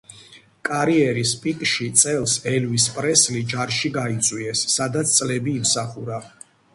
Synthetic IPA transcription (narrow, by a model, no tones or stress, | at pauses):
kʼaɾiɛɾispʼikʼʃit̪sʼɛlˠsɛlvispʼɾɛslid͡ʒaɾʃiɡait̪sʼwiɛsːad̪at̪sʰt̪sʼlɛbiːmsaχuɾa